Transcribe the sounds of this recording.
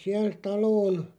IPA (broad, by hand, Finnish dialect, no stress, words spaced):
siæl tɑloːn